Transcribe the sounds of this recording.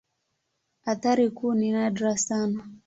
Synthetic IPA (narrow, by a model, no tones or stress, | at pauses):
at̪aɾikuːninadɾasana